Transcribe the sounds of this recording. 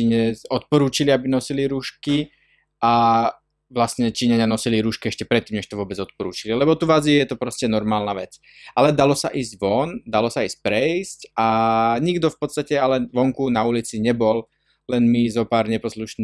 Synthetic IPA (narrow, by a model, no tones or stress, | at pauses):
iɲɛzɔt̪̚pɔɾuːt͡ʃiliabinɔsiliɾuːʃki | ʔa | ʋlasɲɛt͡ʃiːɲaɲɪanɔsiliɾuːʃkiɛʃcɛpɾɛt̪ːiːmɲɛʃt̪ɔʋʊɔbɛd͡zɔt̪̚pɔɾṵːt͡ʃililɛbɔt̪uʋazijɛt̪ɔpɾɔscɛnɔɾmaːlnaʋɛt͡s | ʔalɛd̪alɔsa̰ʔiːzɟʋɔnd̪alɔsaiːsc̚pɾɛiscaɲiɡd̪ɔfpɔt̪st̪acɛalɛʋɔŋkunaulit͡siɲɛbɔl | lɛnmizɔpaːɾɲɛpɔsluʃniː